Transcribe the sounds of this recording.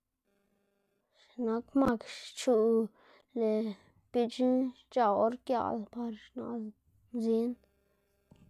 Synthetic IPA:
ʃna˦kma˦˧kʃt͡ʃu˧ | le˨ | pi˧t͡ʃi˦ | t͡ʃa˨o˧˦ɾkja̰˧˨lpa˧ɾʃna̰˨ | zi˦n

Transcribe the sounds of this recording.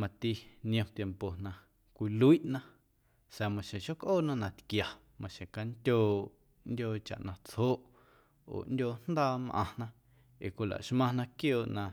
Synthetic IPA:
mã˧t̪i˧nj̃õ˧t̪je˧mpo˨nã˧ | kʷi˧lu˦i˦ʔnã˦ | sa˨mã˨ʃẽ˨ʃo˦kʔoː˦˨nã˦nã˧t̪kja˨ | mã˨ʃẽ˨ka˧nt̪ʲoː˧˨ | ndʲoː˧t͡ʃa̰˨ʔnã˧t͡shoː˦ʔ | o̰ː˨ʔndʲoː˧n̥d̪aː˦mʔã̰˧nã˧ | ḛ˨kʷi˧˨la̰˨ʃmã˧nã˧kjoː˧˨ʔnã˧

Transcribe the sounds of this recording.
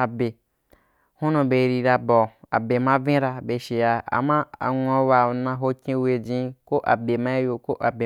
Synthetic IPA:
a˨be˨ | hũ˦nũ˧be˨˦ɾi˧ɾa˧bɔ˨a̰˨be˨mã˦vĩ˦ɾa˧be˨ʃe˨ja˧a̰˨mã˦a̰˨ŋʷ˦o˦wa˨nã˧ɦo˦kʲĩ˦we˧d͡ʒĩ˦ko˦ʔa˨be˨mã˦jo˧ko˦ʔa˨be˨

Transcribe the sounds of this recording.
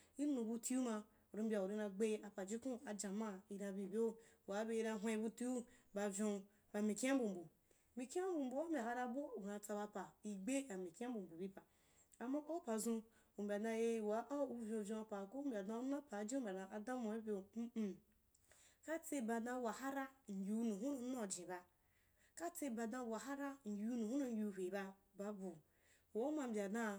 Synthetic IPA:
i˦nũ˨bu˧ti˦u˦ma˧ | u˨ɾi˧˦m˦bʲa˨u˨ɾi˧nã˧ɡ͡be˦a˨pa˨d͡ʒi˦kũ˦a˨d͡ʒã˨ma˦i˧ɾa˧bʲi˨bʲo˦wa˨˦be˧i˧ɾa˧ɦʷẽ˧i˧bu˧ti˦u˦ba˧vʲõ˧ | ba˧mĩ˨ki˦a˦bu˨mbu˨ | mi˨ki˦a˦bu˨m̩˨bu˨a˦mbʲa˨ka˧ɾa˧bo˦˨nã˧t͡sa˧ba˧pa˨i˧ɡ͡be˦a˨mĩ˨ki˦a˦bu˨mbu˨bi˦pa˨ | a˨ma˦ʔo˦pa˨zũ˧ | u˨m̩˨bʲa˨dã˧je˦˨wa˨˦ʔa˦u˦vʲõ˧˨vʲõ˧˨pa˨ko˦bʲa˨da˧˦na˦pa˨d͡ʒi˦m̩˦bʲa˨da˨ʔa˨da˦mo˨e˦bʲe˦˨˦ | ka˦t͡se˦ba˨da˧wa˨ha˦ɾa˦n̩˨jʲu˨˦nũ˨ɦu˦no˨˦no˦˨d͡ʒĩ˨ba˨ | ka˦t͡se˦ba˨da˧˨wa˨ɦa˦ɾa˦n̩˨jʲu˨˦nu˨hu˦no˦jʲu˦˨ɦʷe˨ba˧ | ba˨bo˨ | o˦ma˨m̩˨bʲa˨dã˦

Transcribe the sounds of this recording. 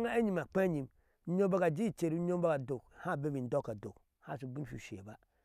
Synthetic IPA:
ŋa˦e˦ɲi˨m˨a˨k͡pe˦ɲi˨m˦ | ɲo˦ba˦ka˨d͡ʒi˦˨t͡ʃe˨ɾi˦o˦ba˦ka˨do˨kha˦˨be˦bi˨n̩˨do˦ka˨do˨k | ha˦˨su˨bi˦n˦fu˨ʃḛ˨ba˦

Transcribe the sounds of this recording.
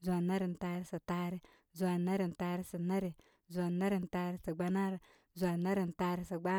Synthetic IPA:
zu˨a˨na˦ɾi˨n̩˨ta˨˦ɾi˦sa˨taː˦ɾi˦ | zu˨a˨na˦ɾi˨n˨ta˨ɾi˦sa˨na˦ɾi˨ | za˨na˦ɾi˨n˨ta˨˦ɾi˦sa˨ɡ͡ba˨na˦ɾ | zu˨a˨na˦ɾi˨n˨ta˨˦ɾi˦sa˨ɡ͡ba˦

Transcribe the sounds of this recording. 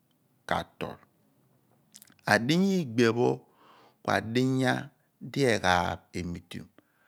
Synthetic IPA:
ka̰˨to̰˨l | a˨di˦ɲ˦i˦ɡ͡be˨βo˦ | kwa̰˨di˦ɲa˦ | di˦e˨ɣa˨be˨mi˨tṵ˨

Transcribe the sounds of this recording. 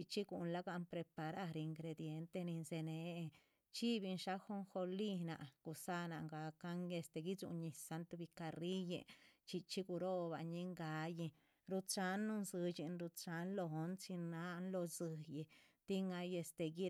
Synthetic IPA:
i˧t͡ʃi˦ɡu˨nla˦ɡa˧npɾe˧pa˨ɾa˦˧ɾe˧i˧ŋɡɾe˧d̪je˧nt̪e˧ni˧nze˧ne˨˦˧ | t͡ʃi˦bi˧nʃa˦xo˦ŋxo˧li˦na̰˨ʔɡ̥u˨sa˦na̰˧ŋɡa˨ka˦ŋe˧st̪e˧ɡi˦d͡ʒṵ˧ɲi˨sa˧nt̪bi˧ka˧ri˦jḛ˧t͡ʃi˧t͡ʃi˦ɡu˧ɾo˦ba˧ɲi˦ŋɡa˧˦ji˧ | ɾu˧t͡ʃa˧nːu˧nzɨ˧t͡ʃi˧nɾu˧t͡ʃa˧˦nlo˧ɦo˧˦nt͡ʃi˧na˦nlo˧zɨ˧ji˧ | t̪i˦ŋa˧je˧st̪e˧ɡi˦

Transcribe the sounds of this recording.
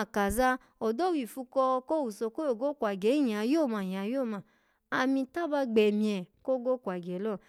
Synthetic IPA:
ka˨za˦ | o˨do˦wi˨fu˧kɔ˧ko˦wu˨so˧ko˦o˨ɡo˦kʷa˨ɡɛ˨˦ja˨jo˦˨ma˨ja˨˦jo˦˨ma˨ | a˨mĩ˧ta˦ba˧ɡ͡bɛ˨mĩ˨˧ɛ˨ko˦ɡo˦kʷa˨ɡɛ˨˦lɔ˦˨

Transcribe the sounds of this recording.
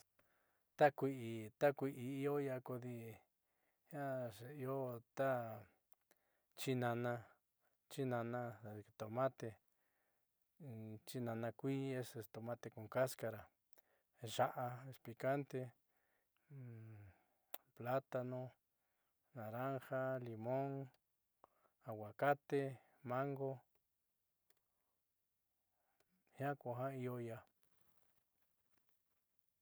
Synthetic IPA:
t̪a˦kʷi˧ʔi˧t̪a˦kʷi˧ʔi˧i˧o˦ja˧ko˧ði˧ | ja˦ʃe˨i˧o˦t̪a˦ | t͡ʃi˦nã˧nã˧ | t͡ʃi˦nã˧nã˧˨˧t̪o˨mã˦t̪e˧ | t͡ʃi˦nã˧nã˧kʷi˦e˦se˧t̪o˨mã˦t̪e˧kũ˨ka˦ska˧ɾa˨ | ʒa˦ʔa˧e˧spli˨ka˦nt̪e˧ | pla˦t̪a˧nõ˧ | nã˨ɾa˦ŋxa˦li˨mõ˦ŋ | a˨wa˨ka˦t̪e˧ | mã˦ŋɡo˦ | hjã˦kʷa˨ɦã˦i˧o˦ja˧

